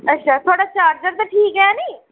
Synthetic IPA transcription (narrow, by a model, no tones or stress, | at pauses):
ətːʃʰaːt̪ʰoaːɽaːt͡ʃaːɾd͡ʒəɾt̪aʈʰiːkɦɛaniː